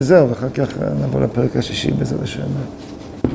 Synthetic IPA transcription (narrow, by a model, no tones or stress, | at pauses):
zeʁveaχaʁkaχnavo̰lapeʁɛkaʃiʃḭbezelaʃene